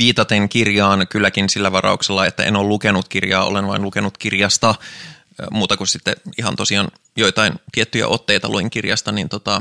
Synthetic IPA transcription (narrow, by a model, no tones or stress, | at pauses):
ʋiːt̪ɑt̪eŋkirjɑːnkylːækinsilːæʋɑrɑ̰ukselːɑet̪ːæ̰ʔḛnoːlukenut̪kirjɑːo̰lenʋɑinlukenut̪kirjɑst̪ɑ | muːt̪ɑkussit̪ːeihɑ̰nt̪osiɑːn | jo̞it̪ɑint̪iet̪ːyjæ̰ʔo̞t̪ːeit̪ɑluiŋkirjɑst̪ɑnint̪ot̪ɑ